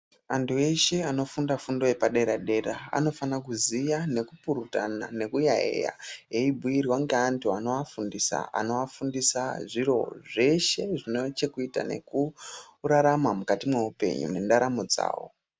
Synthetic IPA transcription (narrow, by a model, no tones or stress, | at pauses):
antue̞ʃe̞ano̞fundafundo̞jepaɗe̞ɾaɗe̞ɾaa̰no̞fanak̬uzijane̞kupuɾutana̰ne̞kujaḛja̰ɦe̞ibʱuiɾiwaŋɡeantʰuano̞afundisa̰a̰no̞afundisaʐiro̞̰ʐe̞ʃe̞ʐinot͡ʃekuita̰ne̞̰ku | raɾamamukatimwe̞upe̞̰ɲṵmendaɾamod͡za̰ːwo̞̰